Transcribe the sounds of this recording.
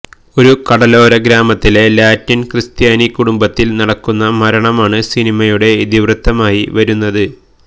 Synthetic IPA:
o̞ɾukɐɽɐlo̞ːɾɐɡɾaːmɐt̪ːile̞laːtːinkrɨst̪jaːnikuɽumbɐt̪ːilnɐɽɐkːunːɐmɐɾɐɳɐmaːɳɨsinimɐjuɽe̞id̪iʋrɨt̪ʰːɐmaːjiʋɐɾunːɐðɨ

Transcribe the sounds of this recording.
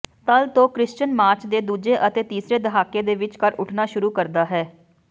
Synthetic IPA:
t̪əlt̪õːkɾɪʃt͡ʃənmaːɾt͡ʃd̪eːd̪uːd͡ʒeːʔət̪eːt̪iːsɾeːd̪əɦaːkːeːd̪eːʋɪt͡ʃkəɾʊʈʰnaːʃʊɾuːkəɾd̪aːɦɛː

